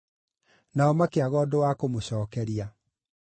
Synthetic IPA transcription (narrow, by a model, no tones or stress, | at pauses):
naɔmakeaɣɔːdowakomoɕɔːkɛɾia